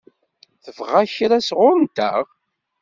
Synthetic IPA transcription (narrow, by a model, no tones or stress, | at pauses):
θəvʁaçɾæsʁʊɾənt̪æʁ